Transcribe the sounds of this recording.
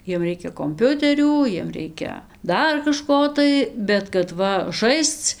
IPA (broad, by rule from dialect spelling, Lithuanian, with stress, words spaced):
ˈjiɛm ˈrʲɛɪkʲɛ koːmʲˈpʲʊtʲɛrʲuː ˈjiɛm ˈrʲɛɪkʲɛ ˈdɐr kɐˈʃkoː tɐɪ bʲɛt kɐt ˈʋɐ ˈʒɐɪst͡s